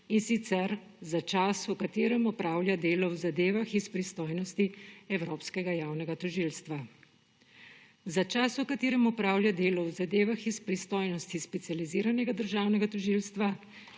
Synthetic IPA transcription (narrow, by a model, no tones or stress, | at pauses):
insit̪sɛɾ | zat͡ʃaːsukat̪eːɾɛmɔpɾaːwlʲjad̪eːlɔwzad̪eːʋaxispɾist̪oːjnɔst̪iɛwɾoːpskɛɡajaːwnɛɡat̪ɔʒiːlst̪ʋa | zat͡ʃaːsukat̪iːɾɛmɔpɾaːwljad̪eːlɔwzad̪eːʋaxispɾist̪oːjnɔst̪ispɛt̪sializiːɾanɛɡad̪əɾʒaːwnɛɡat̪ɔʒiːlst̪ʋa